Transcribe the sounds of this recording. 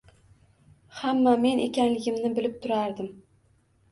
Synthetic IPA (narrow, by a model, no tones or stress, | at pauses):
hamːame̞ne̞kʲanlɪɡʲɪmnɪbɪlɪp̚t̪ʰʊɾaɾd̪ɪm